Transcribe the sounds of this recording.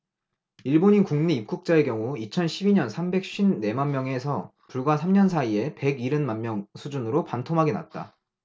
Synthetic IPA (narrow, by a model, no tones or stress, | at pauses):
iɭboɲinkuŋneip̚k͈uk̚t͡ɕ͈ae̞kjʌŋuit͡ɕʰʌnɕʰibiɲʌnsʰambe̞k̚ɕ͈ibne̞manmjʌŋe̞sʰʌ | puɭɡwasʰamɲʌnsʰaie̞pe̞ɡiɾɯnmanmjʌŋsʰud͡ʑunɯɾopantʰoŋɦaɡena̰t̚t͈a̰